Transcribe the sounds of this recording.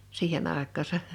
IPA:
siːhen ɑˑekˑɑːsɑ

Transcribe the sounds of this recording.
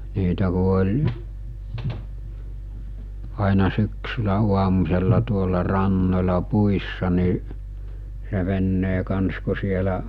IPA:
niːtæ ku olʲ ɑinɑ syksylæ uɑmusʲelːɑ tuolːɑ rɑnːolʲɑ puisːɑ ni se ʋenːeː kɑns ku sielæ

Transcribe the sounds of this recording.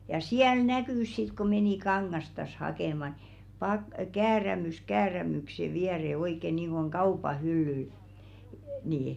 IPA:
jɑ siæl nækyˑs sit ku meniˑ kɑŋːɑstɑs hɑkeˑmɑ ni pɑk kæːræmys kæːræmykse ʋiɛre oikˑe niːŋɡ̊oŋ kɑupɑ hylːyl niːi

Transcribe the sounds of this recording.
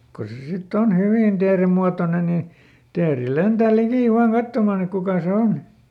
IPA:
ko se sitː on hyʋiˑn teːremːuɑtonen nin̞ teːri lentæˑ likiˑ ʋɑːn kɑtːomɑˑn ek kukɑˑ se on

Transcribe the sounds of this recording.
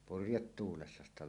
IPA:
purjetːuːlesːɑ sitæ

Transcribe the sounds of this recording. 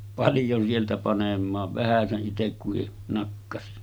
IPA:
pɑljon sieltæ pɑnemˑɑːʋ ʋæhæseʔ ʔitekːuhi nɑkːɑsi

